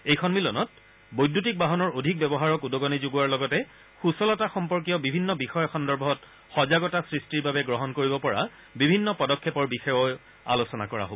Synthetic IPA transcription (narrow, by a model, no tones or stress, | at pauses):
ejkʰɔnmilɔnɔt̚ | bojdʱːutik̚baɦɔnɔɹodʱik̚bɛbɔɦaɹɔkudɔɡɔnizoɡuwaɹlɔɡɔtɛ | xusɔlɔtaxɔmpɔɹk̬ijɔbibʱinːɔbixɔjɔxɔndɔɹbʱɔt | xɔzaɡɔtasɹistiɹbabɛɡɹɔɦɔnkoɹibɔpɔɹa̰ | bibʱinːɔpɔdɔkʰːɛpɔɹbixɔjɔj | a̰losɔna̰kɔɹa̰ɦobɔ